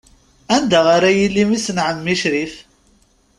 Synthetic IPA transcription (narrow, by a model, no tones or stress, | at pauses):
ænd̪aʁaɾajilːimisənʕəmːiʃɾif